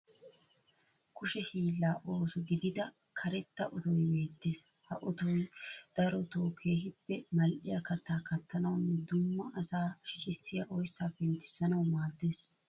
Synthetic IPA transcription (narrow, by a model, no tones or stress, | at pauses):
kʊʃɛhiːlːaːʔo̞ːsɔɡɪd̪ɪd̪ɐ | kʰɐɾɛt̪ːɐʔɔt̪ɔjbe̞ːt̪ːeːs | hɐʔɔt̪ɔjd̪̥ɐɾɔt̪oːkʰe̞ːɦɪbːɛmɐlʔɪjɐkɐt̪ːaːkɐt̪ːɐnɐwnːɛd̪ʊmːɐʔɐsaːʃɪt͡ʃʼɪsːɪjɐʔɔjsːaːpːɛnt̪ːɪsːɐnɐwmaːd̪ːe̞ːs